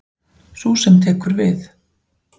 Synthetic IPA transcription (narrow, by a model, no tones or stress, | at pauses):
susɛmt̪ʰɛːkʏɾvɪθ